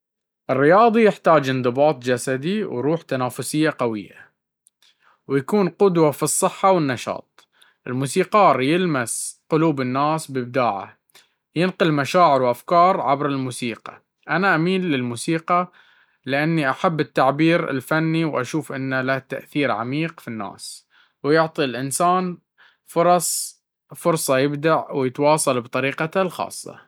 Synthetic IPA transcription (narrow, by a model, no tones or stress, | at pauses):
ʔɪrːɪjɑːðˤijɪħt̪aːd͡ʒɪnd̪ˤɨbɑːt̪ˤd͡ʒasad̪iwɾuːħt̪anaːfʊsɪjːaqawɪ̰jːa̰ | wjakuːnqʊd̪wafisˤːɨħːawɪnːɑʃɑ̰ːt̪̚ˤ | ʔɪlmuːsiːqɑːɾˤjɪlmasqʊluːbɪnːaːsbɪb̚d̪aːʕa̰ | jɪnqʊlmaʃaːʕɪɾwʔafkɑːɾˤʕabɾɪlmuːsiːqɑ̰ | ʔanaʔamiːlːɪlmuːsiːqɑ | lɪʔanːiʔaħabːɪt̪ːaʕbiːɾɪ̰lfanːiwʔaʃuːfʔɪnːalat̪a̰ʔθiːɾʕa̰miːqfinːa̰ːs | wjʊʕt̪ˤilʔɪnsaːn | fʊɾˤɑsˤ | fʊɾsˤɑjɪbd̪aʕwjɪt̪wɑːsˤɑlbt̪ˤɑɾiːqɑalxɑ̰ːsˤːɑ̰